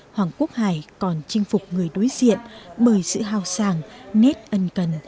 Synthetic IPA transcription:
hwaː˨˩ŋku˦˥ək̚haː˧˩jkɔ˨˩nt͡ɕï˧ŋ̟fʊ˨˩k͡p̚ŋɨ˨˩əjɗo˨˦jzḭ˧˨ənɓəː˨˩jsɨ̰˧˨ɦaː˧wsaː˧˩ŋnɛ˦˥t̚ʔə˧nkə˨˩n

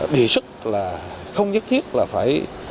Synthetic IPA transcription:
ɗi˨˧˩sɨ˦˥t̚laː˨˩xə˧wŋ͡mzə˦˥t̚t̪ʰi˦˥ət̚laː˨˩faː˧˩j

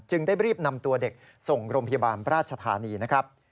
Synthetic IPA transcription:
t͡ɕɯ˧ŋdaː˥˩jɾiː˥˩p̚na˧mt̪u˧ɐde˨˩k̚ | so˨˩ŋɾoː˧mpʰa˧ja˧baː˧nɾaː˥˩t̪̚t͡ɕʰa˧t̪ʰa̰ː˨˦niː˧na˦˥kʰɾa˦˥p̚

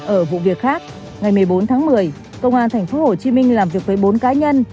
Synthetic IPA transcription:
ʔəː˧˩vṵ˧˨vi˨˩ək̚xaː˦˥k̚ | ŋa˨˩jmɨ˨˩əjɓo˨˦nt̪ʰaː˨˦ŋmɨ˨˩əj | kə˧wŋ͡mʔaː˧nt̪ʰjŋ̟fo˨˦ho˧˩t͡ɕi˨˦mï˧ŋ̟laː˨˩mvi˨˩ək̚vəː˨˦jɓo˨˦nkaː˨˦ɲə˧n

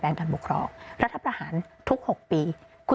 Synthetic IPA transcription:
pɛː˧ŋkaː˧nbu˨˩kʰɾɔ̰ː˧˩ŋɾa˦˥t̪ʰːa˧pɾaː˧haː˩˦nt̪ʰu˦˥k̚ho˨˩k̚piː˧ | kʰu˧

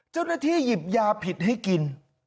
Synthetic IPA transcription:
t͡ɕa˥˩wnaː˥˩t̪ʰiː˥˩ji˨˩p̚jaː˧pʰi˨˩t̪̚ha˥˩jki˧n

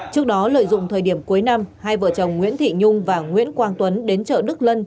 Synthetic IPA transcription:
t͡ɕɨ˦˥ək̚ɗɔ˨˦lə̰ː˧˨jzʊ̰˧˨ŋ͡mt̪ʰəː˨˩jɗi˧˩əmku˨˦jna˧mhaː˧jvə̰˧˨˩t͡ɕə˨˩wŋ͡mŋwḭ˧˥ənt̪ʰḭ˧˨ɲʊ˧ŋ͡mvaː˨˩ŋwḭ˧˥ənkwaː˧nt̪wə˨˦nɗe˨˦nt͡ɕə̰ː˧˨ɗɨ˦˥k̚lə˧n

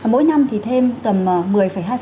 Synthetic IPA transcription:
mo̰˧˦jna˧mt̪ʰi˨˩t̪ʰe˧mt̪ə˨˩məː˨˩mɨ˨˩əjfə˧˩jɦaː˧

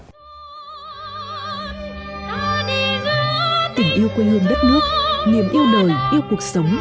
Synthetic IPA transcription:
t̪ï˧˩ŋ̟ʔi˧əwkwə˧nhɨ˧əŋɗə˦˥t̚nɨ˦˥ək̚ŋe˨˩mʔi˧əwɗə˨˩jʔi˧əwku˨˩ək̚sə˨˦wŋ͡m

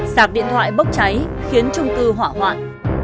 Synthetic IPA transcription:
saː˨˩k̚ɗḭ˧˨ənt̪ʰwa̰ː˧˨jɓə˦˥k͡p̚t͡ɕa˨˦jxi˨˦ənt͡ɕʊ˧ŋ͡mkɨ˧ɦwa̰ː˧˨ɦwa̰ː˧˨n

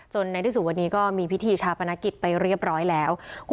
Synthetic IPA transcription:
t͡ɕo˧nːa˧t̪ʰiː˦˥su˨˩wa˧nːiː˦˥kɔː˥˩miː˧pʰi˦˥t̪ʰiː˧t͡ɕʰaː˧wpʰa˧na˦˧˥ki˨˩t̪̚pa˧jɾi˥˩əp̚ɾɔː˦˥jlɛː˦˥wkʰ

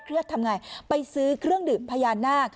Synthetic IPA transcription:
kʰɾi˥˩˨t̪ʰːa˧mŋaː˧jpa˧jsɯː˦˥kʰɾɯ˥˩əŋdɯː˨˩mpʰaː˧jaː˧nːaː˥˩k̚

